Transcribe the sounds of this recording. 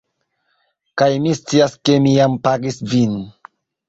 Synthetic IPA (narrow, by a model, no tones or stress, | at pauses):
kajmist͡siaske̞mijampaɡisvin